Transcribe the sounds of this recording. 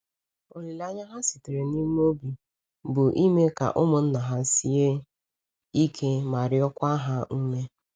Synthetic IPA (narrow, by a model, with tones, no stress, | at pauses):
o˨li˨la˦ɲa˦ɦa˦si˨te˨ɾe˨ni˦m˦o˦bi˨ | bʊ˨ʔi˦me˦ka̰˨ʔʊ˦mʊ˨n̩˦na˨ɦa˦si˦e˦ | i˦kʰe˦ma˨ɾɪ˦ɔ˦kʷa˦ɦa˦u˦me˦